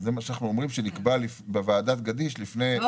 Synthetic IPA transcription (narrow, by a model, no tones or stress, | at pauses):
zemaʃanaχnuomʁimʃenikbalifbevaːd̪at̪̚ɡadiʃlifne